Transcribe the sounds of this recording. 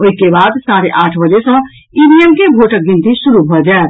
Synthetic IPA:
oikebad̪saɾeʔaːʈʰbəd͡ʒesə̃ | inijəmkebʱoʈək̚ɡint̪isuɾubʱəd͡ʒaet̪

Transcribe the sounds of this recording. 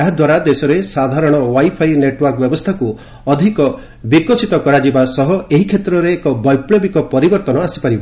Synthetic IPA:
aɦad̪waɾad̪esɔɾesad̪ʱaɾɔɽ̃ɔwajpʰajneʈwɔɾkɔbjɔbɔst̪ʰaku | ɔd̪ʱikɔ | bikɔsit̪ɔkɔɾad͡ʒibasɔɦɔeɦikʰet̪ɾɔɾeːkɔbɔjpɭebikɔpɔɾibɔɾt̪ɔnɔasi̥paɾibɔ

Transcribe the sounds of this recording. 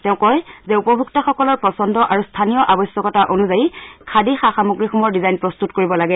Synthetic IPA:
tɛʊ̃kɔjzɛupɔbʱuktaxɔkɔlɔɹpɹɔsɔndɔʔaɹustʰanijɔʔabɔjsjɔkɔtaʔonuzajikʰadixaxamuɡɹixɔmɔɹdizajnpɹɔstutkoɹibɔlaɡɛ

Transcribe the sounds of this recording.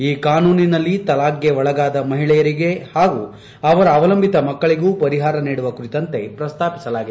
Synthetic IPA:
iːkaːnuːninɐlːit̪ɐlaːɡjeʋɔɭɐɡaːd̪ɐmɐɦiɭɛjɐɾiɡe̞haːɡu | ɐʋɐɾɐːʋɐlɐmbʱit̪ɐmɐkːɐɭiɡuːpɐɾiɦaːɾɐniːɽuʋɐkuɾit̪ɐnt̪e̞pɾɐst̪ʰaːpi̥sɐlaːɡid̪

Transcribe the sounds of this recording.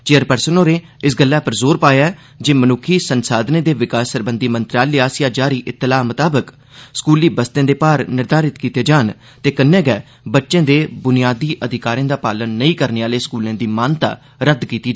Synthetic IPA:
t͡ʃeːəɾpəɾsənoːɾeː | ɪsɡəlːɛːpəɾzoːɾpaːjaɛ | d͡ʒeːmənʊkʰːiːsənsaːd̪nẽːd̪eːʋɪkaːsːəɾbənd̪iːmənt̪ɾaːlɪjaːsjãːd͡ʒaːɾiːʔɪt̪ːɪlaːmət̪aːbək | skuːliːbəst̪ẽːd̪eːpaːɾnɪɾd̪aːɾɪt̪kiːt̪eːd͡ʒaːn | t̪eːkənːɛ̃ːɡɛː | bətːʃẽːd̪eːbʊnɪjaːd̪iːʔəd̪ʱɪkaːɾẽːd̪aːpaːlənːəĩːkəɾneːaːleːskuːlẽːd̪iːmaːnt̪a̰ː | ɾəd̪kiːt̪iː

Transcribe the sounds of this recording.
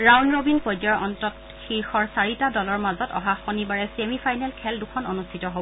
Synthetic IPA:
ɹawnɹobinpojd͡ʒɔɹɔntɔt | xiɹxɔɹsaɹitadɔlɔɹmazɔtɔ̰ɦaxonibaɹɛsemipʰajnɛlkʰɛldukʰɔnonustʰitɔɦo

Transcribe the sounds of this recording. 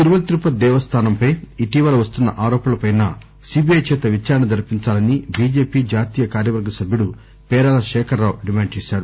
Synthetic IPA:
t̪iɾuʋɐlɐt̪ɾupɐd̪ɛːʋɐst̪ʰaːnɐmpɐjiʈiʋɐlɐʋɐst̪unːɐʔaːɾɔːpɐlɐpɐjnɐ | siːbiɐjt͡ʃɛːt̪ɐʋit͡ʃaːɾɐɳɐd̪ɐɾpiɲt͡ʃaːlɐnibiːd͡ʒeːpiːd͡ʒaːt̪iːjɐkaːɾjɐʋɐɾɡɐsɐbʱjuɽu | pɛːɾaːlɐʃɛːkʰɐɾːawɖimaːɳt͡ʃɛːʃaːɾu

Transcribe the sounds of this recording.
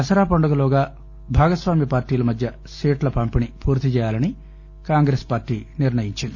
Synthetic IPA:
ɐsɐɾaːpɐɳɖɐɡɐloːɡaː | bʱaːɡɐsʋaːmipaːɾʈiːlɐmɐd̪ʱjɐ | siːʈlɐpɐmpinipʰuːɾt̪it͡ʃɛːjaːlɐni | kaːŋɡɾeːspaːɾʈiːniɾnɐjiɲt͡ʃind̪i

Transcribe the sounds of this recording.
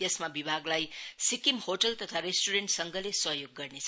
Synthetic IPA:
jʌsmabibʱaɡlajsikimhoʈʌlt̪ʌt̪ʰaɾesʈuɾeɳʈsʌŋɡʌlesʌɦjoɡːʌrnet͡sʰ

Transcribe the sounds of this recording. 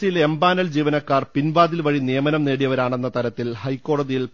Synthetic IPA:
ijilembaːnɐld͡ʑiːʋɐnɐkːaːrpinʋaːðilʋɐɻinijɐmɐnɐmneːɽijɐʋɐɾaːɳe̞nːɐt̪ɐɾɐt̪ːilhɐjkːo̞ːɽɐðijil

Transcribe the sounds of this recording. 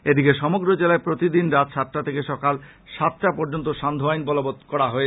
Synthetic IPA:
ed̪ikeʃɔmoɡɾod͡ʑelaepɾot̪id̪inɾat̪ʃʰat̪ːʈat̪ʰekeʃɔkal | ʃat̪ʈapɔɾd͡ʑont̪oʃand̪ʱoajnbɔlobot̪kɔɾaɦɔe

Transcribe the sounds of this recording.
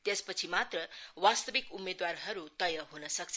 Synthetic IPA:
t̪jespʌt͡sʰimat̪rʌwast̪ʌbikumed̪warɦʌɾut̪ʌjʌɦunʌsʌk̚t͡sʰ

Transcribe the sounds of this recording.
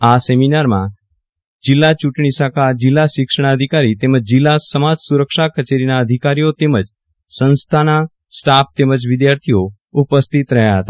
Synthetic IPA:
aseminaɾmã | d͡ʒɪlːat͡ʃuʈɳ̃isakʰad͡ʒɪlːaʃɪkʃəɳ̃aəd̪ʱikaɾit̪eməd͡ʒd͡ʒɪlːasəmad͡ʒsuɾəkʃakət͡ʃeɾinaəd̪ʱikaɾijot̪eməd͡ʒ | sə̃nst̪ʰana | sʈap̚t̪eməd͡ʒʋɪd̪jaɾt̪ʰijo | upəst̪ʰit̪ɾəɦjaɦət̪a

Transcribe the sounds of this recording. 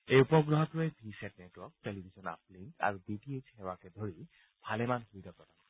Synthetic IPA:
ejupɔɡɹɔɦɔtɹoebʰʱiset̚netwɔk̚telibʱisɔna̰p̚liŋka̰ɹubiʈiet͡ʃhɛwakɛd̪ʱoɹi | b̥ʱalemanxujtɔpɔtan

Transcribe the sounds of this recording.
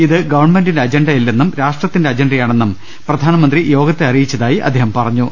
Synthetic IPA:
iðɨɡɐʋɐrɳme̞ndindeɐd͡ʑenɖɐjilːenːumɾaːʂʈrɐt̪ːindeɐd͡ʑenɖɐjaːɳe̞nːum | prɐd̪ʱaːnɐmɐnd̪rijo̞ːɡɐt̪ːeɐrijit͡ɕːɐðaːjiʔɐ̰d̪ʱːeːɦɐmpɐrɐɲːu

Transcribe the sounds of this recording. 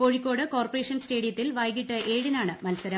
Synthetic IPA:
ko̞ːɻikʲːo̞ːɽɨko̞ːrpɐre̞ːʂɐnsteːɽijɐt̪ːilʋɐjɣiʈːɨʔeːɻinaːɳɨmɐlsɐɾɐ

